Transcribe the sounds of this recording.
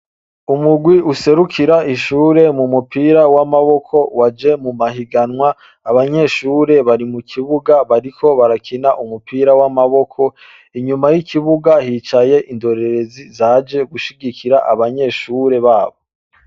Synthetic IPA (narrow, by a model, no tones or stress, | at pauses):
umuɡwiuse̞ɾukʰiɾaiʃuːɾe̞mumupiːɾawamaβo̞kʰo̞wad͡ʒe̞mumaɦiɡanŋwaː | βaɲe̞ːʃuːɾe̞βaɾimukʰiβuɡaβaɾikʰo̞βaɾakʰinaʔumupiːɾawamaβo̞kʰo̞ | iɲumajikʰiβuɡahiːt͡ʃaje̞ʔindo̞ɾe̞ɾe̞zizad͡ʒe̞ɡuʃiɡikʰiɾaʔaβaɲe̞ːʃuːɾe̞βaːβo̞